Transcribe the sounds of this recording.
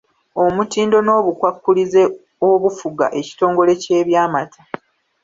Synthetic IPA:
o̞mutiːndo̞no̞ːβukwakːulize̞ | oβufuɡa̰ʔe̞ci̥to̞ːŋɡo̞le̞ce̞ːβjaːmatʰa

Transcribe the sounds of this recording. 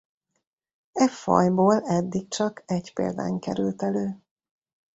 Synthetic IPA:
ɛfɒ̰jboːlɛd̪ːik̚t͡ʃɒkʰɛɟpḛːld̪a̰ːŋkɛɾylt̪ɛløː

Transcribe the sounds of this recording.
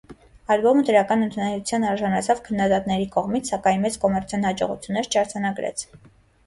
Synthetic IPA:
ɑlbɔməd̪əɾɑkɑnənt̪ʰunɑɾut͡sʰjɑnɑɾʒɑnɑt͡sʰɑvkʰənːɑd̪ɑt̪nɛɾikɔʁmit͡sʰsɑkɑjnmɛt͡skɔmɛɾt͡sʰjnhɑd͡ʒɔ̰ʁṵt͡sʰjunːɛɾt͡ʃʰɑɾd͡zɑnɑɡɾɛ̰t͡sʰ

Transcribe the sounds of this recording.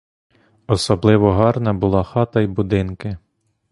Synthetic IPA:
ɔsɔblˠɪʋɔɦɑrnɐbʊlˠɑxɑt̪ɐjbʊd̪ɪnkɪ

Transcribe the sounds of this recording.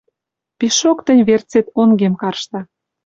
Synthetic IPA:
piʃokt̪ə̆nʲβert͡set̪oŋɡemkɑrʃt̪ɑ

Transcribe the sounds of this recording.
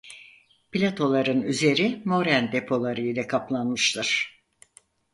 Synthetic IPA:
pilʲat̪ʰo̞lˠaɾɯnyze̞ɾimo̞ɾænd̪e̞pʰo̞lˠaɾɯjlʲɛkʰaplˠanmɯʃlˠɯɾ̥

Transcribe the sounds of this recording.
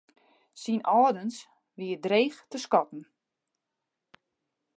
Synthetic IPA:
sinʔɔːdəns | ʋiədreːxtəskɔtn̩

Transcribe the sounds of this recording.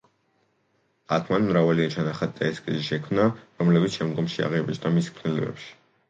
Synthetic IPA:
akʰmanmɾavaliat͡ʃʰanaχad̪t̪aɛskʼiziʃɛkʰmnaɾɔmlɛbit̪sʃɛmd̪ɡɔmʃia̰ʁɛbɛt͡ʃʼnamiskʰnɛlɛ̰bɛ̰pʃi̥

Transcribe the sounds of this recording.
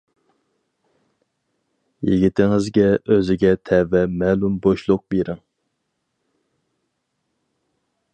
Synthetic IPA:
jiɡʲit̪ʰɪŋɪzɡʲɛʔøzɪɡʲɛt̪ʰɛvɛmɛːlumboʃlˠʊq̚beɾɪŋ

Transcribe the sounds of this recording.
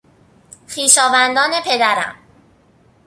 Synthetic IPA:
xiːʃɒːvænd̪ɒːne̞pʰe̞d̪æɾæ̰m

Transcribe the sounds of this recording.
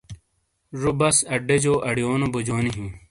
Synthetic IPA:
ʐubɐsɐɖed͡ʑoːʔɐɽijoːnobod͡ʑoːniɦĩ

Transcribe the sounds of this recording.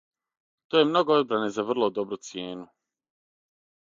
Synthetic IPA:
t̪ojemno̞ɡood̪̚bɾane̞zaʋr̩lˠo̞d̪o̞bɾut̪sjeːnu

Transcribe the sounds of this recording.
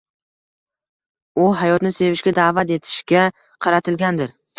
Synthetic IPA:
ʊɦajɒt̪nɪse̞vɪʃɡʲad̪aːvat̪e̞t̪ʰɪ̥ʃkʲa | qʰɑɾat̪ʰɪlɡʲand̪ɪɾ

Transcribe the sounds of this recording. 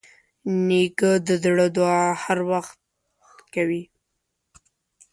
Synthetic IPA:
nekəd̪əd̪ɽəd̪wɑhaɾwaxt̪̚ | kawi

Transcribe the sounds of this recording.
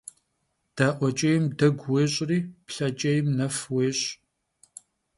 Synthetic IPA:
d̥aːʔʷɔt͡ʃʼɐjɪmdɐɡʷweːɕʼriːpɬɐt͡ʃʼɐjɪmnɐfweːɕʼ

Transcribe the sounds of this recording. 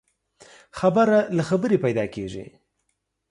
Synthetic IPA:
xabaɾalaxabəɾepajd̪ɑkeʐḭ

